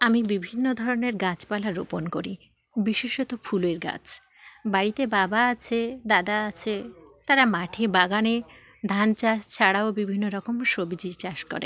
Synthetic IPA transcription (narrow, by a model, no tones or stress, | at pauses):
amibibʱinːod̪ʱɔɾoneɾɡat͡ɕpalaɾo̰ponkoɾi | biʃiʃot̪ofʰuleɾɡa̰t͡ɕʰ | baɽit̪ebabaat͡ɕʰed̪ad̪aat͡ɕʰet̪aɾamaʈʰebaɡane | d̪ʱant͡ɕaʃt͡ɕʰaɽaobibʱinːoɾɔkomʃobid͡ʑit͡ɕaʃkɔ̰ɾḛ